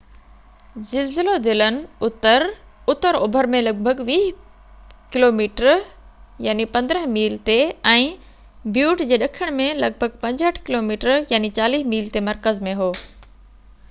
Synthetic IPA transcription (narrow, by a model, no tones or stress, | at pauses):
zɪlzɪlod̪ɪlənɪ̆ʊt̪əɾʊt̪əɾoːbʱəɾmẽlɐɡ̚bʱəɡʋiːɦ | kɪloːmiːʈəɾ | jaːnipɐ̃nd̪ɾəɦmiːlt̪eɛ̃ː | bʱjuːʈd͡ʑeːɗɐkʰəɽ̃mẽlɐɡ̚bʱəɡ̚pɐ̃ɲd͡ʑɦəʈʰkɪloːmiːʈəɾjaːnit͡ɕaːliːɦmiːlt̪emɐɾkəzmẽɦoː